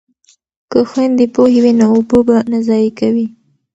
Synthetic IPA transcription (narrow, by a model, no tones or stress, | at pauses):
kəxwand̪epohewinoʊbobanazɑjikawi